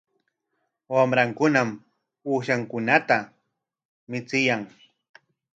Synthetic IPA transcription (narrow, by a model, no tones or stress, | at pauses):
wamɾaŋkʊnam | puːʃaŋkʊnat̪a | mɪt͡sɪjaŋ